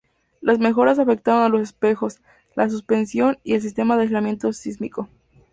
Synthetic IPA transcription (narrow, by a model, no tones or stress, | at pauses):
lʔazme̞xo̞ɾas̬afe̞k̚t̪aɾonalo̞sespe̞xo̞s | las̬uspe̞nsjo̞nie̞ls̬is̬t̪e̞maðezlamjẽ̞nt̪o̞sizmiko̞